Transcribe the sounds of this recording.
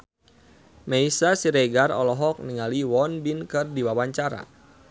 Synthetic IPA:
meisasiɾeɡarɔlɔɦɔk̚niŋaliwɔnbinkɨrdiwawaɲt͡ʃaɾa̰

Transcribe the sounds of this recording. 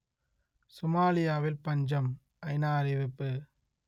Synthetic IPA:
sʊmaːlɪjaːʋɪlpɐɲd͡ʒɐm | ʔɐɪnaːɐɾɪʋɪpːɯ

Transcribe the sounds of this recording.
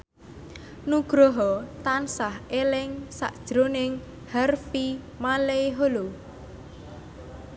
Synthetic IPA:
nuɡ̥ɾɔɦɔt̪ansahelɪŋsa̰ʔd̥ʒ̥ɾonɪŋ | harfi | maleeɦolo

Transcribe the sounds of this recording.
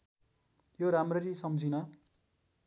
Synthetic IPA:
joɾamrʌɾisʌmd͡zʱinʌ

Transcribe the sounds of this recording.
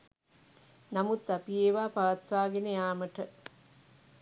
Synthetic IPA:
nɐmut̪ːɐpijeːʋaːpɐʋɐt̪ʋaːɡenejaːməʈɐ

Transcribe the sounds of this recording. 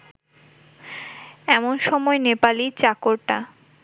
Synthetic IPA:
ɛmonʃɔmɔenepalit͡ɕakoɾʈa

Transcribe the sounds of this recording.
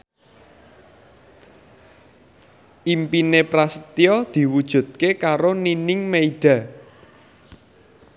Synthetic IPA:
ʔimpinepɾasət̪iɔd̪̥i̤wud̥ʒ̥ṳt̪̚kekaɾoninɪŋmeiɖ̥ä̤

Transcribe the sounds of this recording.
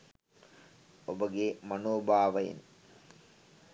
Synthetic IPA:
obəɡemɐnoːbaːʋɐjḭn

